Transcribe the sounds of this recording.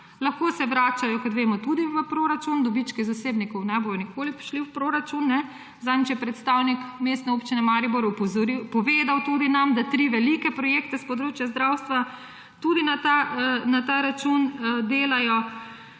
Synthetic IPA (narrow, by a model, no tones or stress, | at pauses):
lɐxkoːsɛʋɾaːt͡ʃajɔkɔt̪ʋeːmɔt̪ud̪iʋəpɾoːɾat͡ʃund̪ɔbit͡ʃkɛzaseːbnikɔwnɛbojɔnikʰoːlipɾi̥ʃliwpɾoɾat͡ʃunːɛ | zamt͡ʃjɛpɾɛt̪st̪awnikmeːst̪nɛoːpt͡ʃinɛmaɾibɔɾpɾipɔʋeːd̪awt̪ud̪inamd̪at̪ɾiʋɛlikɛpɾɔjeːkt̪ɛspɔd̪ɾoːt͡ʃjazd̪ɾawst̪ʋa | t̪ud̪inat̪anat̪aɾat͡ʃund̪eːlajɔ